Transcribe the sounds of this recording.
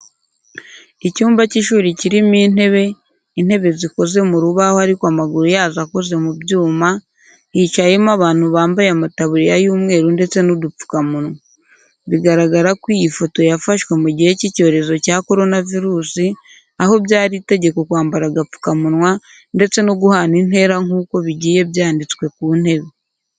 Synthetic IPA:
icuːmbaciʃuːɾiciɾimiːne̞βe̞ | in̥he̞βe̞ziko̞ze̞muɾuβahohaɾikwamaɡuɾujaːzako̞ze̞mubɟuːma | it͡ʃajemaβaːn̥huβaːmbajamataβuɾijajuːmŋe̞ːɾunde̞t͡se̞nudup͡fu̥kamunwa | βiɡaɾaɡaɾakwijifo̞to̞jafaʃwe̞muɟihecico̞ːɾe̞zo̞cako̞ɾo̞naviɾuːsi | aho̞bjaːɾiːte̞ɟe̞ko̞kwaːmbaɾaɡap͡fu̥kamunwa | nde̞t͡se̞noɡuhanin̥e̞ːɾaŋuːko̞βiɟiːje̞βjaːndit͡skwe̞kuːn̥he̞βe̞

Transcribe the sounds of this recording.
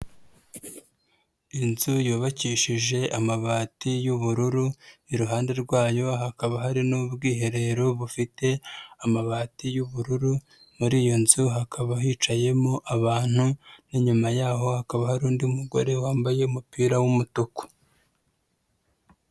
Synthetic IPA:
inzujuːβaciːʃiʒe̞ʔamaβaːtijuβuɾuɾuniɾuɦaːnde̞ɾɡwaːjo̞ɦakaβaɦaɾinubɡiːɦe̞ɾe̞ɾo̞βufite̞amaβaːtijuβuɾuɾu | muɾiːjo̞nzuɦakʰaβaɦiːt͡ʃaje̞mo̞ʔaβaːn̥huniɲumajaːɦo̞hakaβahaɾuːndiumuɡo̞̰ɾe̞waːmbaje̞umupiːɾawumutuko̥

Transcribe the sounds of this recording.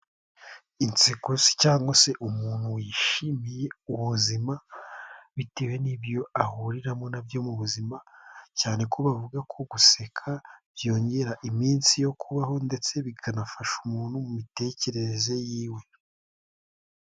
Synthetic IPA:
int͡sikosi̥caːŋɡwase̞ʔumuːnhuwiːʃimije̞uβuzima | βitewe̞nibjo̞ahuɾiɾamo̞nabjo̞muβuzimacaːne̞kʰo̞βavuɡakʰo̞ɡuse̞kʰaβjo̞ːɲɟe̞ɾaʔimiːnsijo̞kʰuβaho̞nde̞t͡se̞βikʰanafaʃumuːn̥humumite̞ːce̞ɾe̞ze̞jiːwe̞

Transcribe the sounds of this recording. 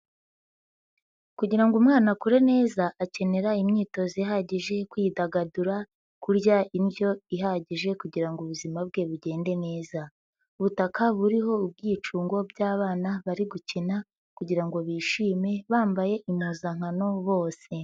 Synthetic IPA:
kuɟiɾaŋɡumŋaːnakuɾe̞ne̞ːzaʔace̞ne̞ɾaimɲiːto̞zijɦaɟiʒe̞kwiːdaɡaduɾa | kuɾɟaʔinbjo̞iɦaɟiʒe̞kuɟiɾaŋɡuβuzimab̚ɡe̞βuɟe̞ːnde̞ne̞ːza | uβutakʰaβuɾiɦo̞ub̚ɡiːt͡ʃuːŋɡo̞bɟaːβaːnaβaɾiɡucina | kuɟiɾaŋɡo̞βiːʃiːme̞βaːmbaje̞ʔimuːzaŋ̥hano̞βo̞ːse̞

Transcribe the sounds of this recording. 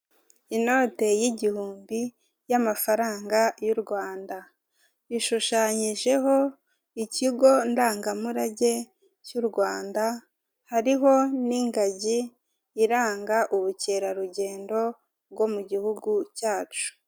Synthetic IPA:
ino̞ːte̞jiɟihuːmbi | jamafaɾaːŋɡajuɾɡwaːnda | βiʃuʃaːɲiʒe̞ho̞ | iciɡo̞ndaːŋɡamuɾaɟe̞ | cuɾɡwaːnda | haɾiɦo̞niŋɡaɟiː | ɾaːŋɡaʔuβuce̞ɾaɾuɟe̞ːndo̞ | βɡo̞muɟihuɡucaːt͡ʃu̥

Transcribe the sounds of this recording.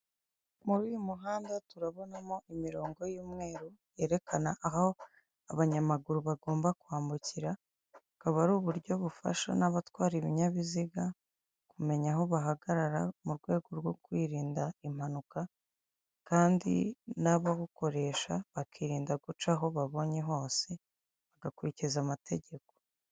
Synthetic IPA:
muβijumuɦaːndatuɾaβo̞namo̞ʔimiɾo̞ːŋɡo̞jiːmŋe̞ːɾoje̞ːɾe̞kʰanaʔaɦo | aβaɲamaɡuɾuβaɡo̞ːmbakuaːmbuciɾa | ukaβaɾuːβuɾɟo̞βufa̰ʃa̰naβatwaːɾiβiɲaβiziɡa | kume̞ɲaɦo̞βaɦaɡaɾaɾamuɾɡwe̞ːɡo̞ɾɡwo̞kwiːɾiːndaim̥anuka | kaːndḭnaβaɡuko̞ɾe̞ʃaβakiːɾiːndaɡut͡ʃaɦo̞βaβo̞ɲe̞ɦo̞ːse̞ | βaɡakuɾicizamatʰe̞ɟe̞ko̞̥

